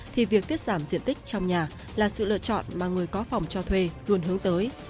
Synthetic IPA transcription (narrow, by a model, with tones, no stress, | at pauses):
t̪ʰi˨˩vi˨˩ək̚t̪i˦˥ət̚z̥aː˧˩mzḭ˧˨ənt̪ï˦˥k̟̚t͡ɕɔ˧wŋ͡mɲaː˨˩ | laː˨˩sɨ̰˧˨lə̰ː˧˨t͡ɕɔ̰˧˨nmaː˨˩ŋɨ˨˩əjkɔ˨˦fa˨˩wŋ͡mt͡ɕɔ˧t̪ʰwe˧lu˧ənɦɨ˨˦əŋt̪əː˨˦j